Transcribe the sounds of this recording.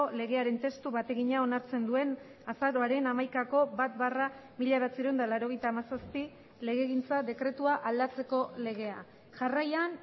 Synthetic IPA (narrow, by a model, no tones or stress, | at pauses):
ole̞ɣe̞aɾe̞nt̪e̞st̪uβat̪e̞ɣiɲao̞naɾt͡se̞nd̪ue̞n | asaɾo̞aɾe̞namajkako̞bat̪̚baramiʎaβat͡siɾewnd̪alaɾo̞ɣ̞e̞jt̪aːmasaspi | le̞ɣe̞ɣint͡saðe̞kɾe̞t̪uaʔald̪at͡se̞ko̞le̞ɣe̞a | ʝarajan